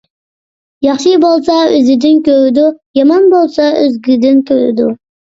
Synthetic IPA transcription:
jɑχʃɨbolˠsɑøzɪd̪ɪnkʲʰøɾɪd̪ʊjɑmɑnbolˠsɑøzɡʲid̪ɪnkʲʰøɾɪ̰d̪ʊ

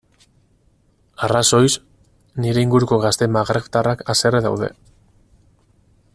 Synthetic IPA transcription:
araso̞js | niɾe̞iŋɡuɾuko̞ɣ̞ast̪e̞maɣɾeft̪arakase̞reða̰wðe̞̰

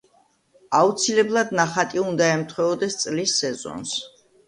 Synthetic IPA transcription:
aut̪sʰilɛblˠad̪naχat̪ʼiund̪aɛmt̪ʰwɛɔd̪ɛst̪sʼlisːɛzɔ̰ns

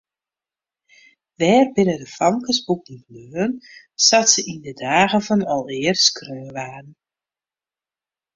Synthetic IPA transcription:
ʋɛːrbɪnədəfɑŋkəsbuk̚nit̚nøːən | satsəʔindədaːɣəvɔnɔlˠɪərskrøːʋaːdn̩

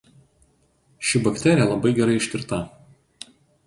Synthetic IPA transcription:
ʃʲɪbɐkt̪ʲɛˑɾʲɪjɛlˠɐbɐɪɡʲɛɾɐɪɪʃʲt̪ʲɪɾt̪ɐ

